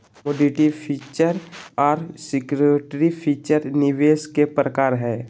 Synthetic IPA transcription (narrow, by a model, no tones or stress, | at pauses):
moɖiʈipʰiːt͡ʃəɾɔːɾsɪkɾeʈɾipʰiːt͡ʃəɾnɪʋeːskepɾəkaːɾɦɛː